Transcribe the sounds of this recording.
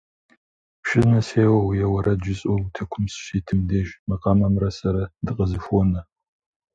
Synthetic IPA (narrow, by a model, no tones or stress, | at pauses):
pʃɪznɐseːwɐwjɛwɐɾɐd͡ʒɪɕʼowtʰɐkʷʰʊmsɕiːtʰɨmdeːʒmɨqɐmɐmrɐsɐɾɐdɨqʼəzɨfʷɔnɐ